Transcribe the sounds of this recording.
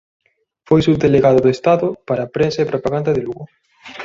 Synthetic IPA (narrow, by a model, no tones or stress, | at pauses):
fojsud̪eleɣaðʊðoest̪aðʊpaɾɐpɾensɐepɾopaɣand̪ɐðeluɣʊ